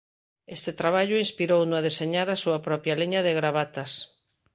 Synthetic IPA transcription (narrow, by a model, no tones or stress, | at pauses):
est̪et̪ɾaβ̞aʎʊĩnspiɾownʊaðeseɲaɾasuapɾɔpjaliɲaðeɣɾaβ̞at̪as